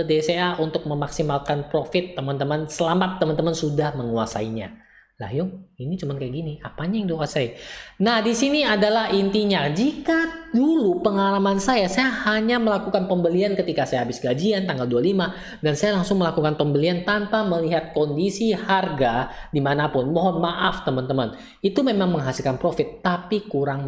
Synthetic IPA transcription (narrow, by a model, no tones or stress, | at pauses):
ədeseaʔunt̪ʊk̚məmaksimalkanpɾofɪt̪ːəmant̪əmansəlamat̪ːəmant̪əmansudahməŋuasa̰iɲa̰ | la̰ɦjʊŋinit͡ʃumankajaɡiniapaɲajŋdokasainahdisiniadalahint̪iɲad͡ʒikadulupəŋalamansajasajahaɲaməlakukanpəmbəliankət̪ikasajaɦabɪsɡad͡ʒiant̪aŋɡaldualima | dansajalaŋsʊŋməlakukanpəmbəliant̪anpaməliɦat̪̚kɔndisiharɡadimanapʊnmɔɦɔnmaʔaft̪əmənt̪əmən | it̪umemaŋməŋɦasilkanpɾofɪt̪ːapikuɾaŋ